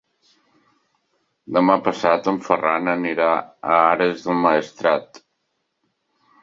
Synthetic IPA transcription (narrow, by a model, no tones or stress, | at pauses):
d̪əmapəsat̪əɱfəranəniɾaəaɾəzðəlˠmaəst̪ɾat̪